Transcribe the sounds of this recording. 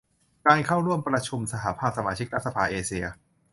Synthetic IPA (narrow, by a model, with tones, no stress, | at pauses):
kaː˧nkʰaː˥˩wɾu˥˩əmpɾa˧t͡ɕʰu˧msa˧ɦa˩˦pʰaː˥˩p̚sa˧maː˧t͡ɕʰi˦˥k̚ɾa˦˥t̪̚sa˧pʰaː˧ʔeː˧si˧ɐ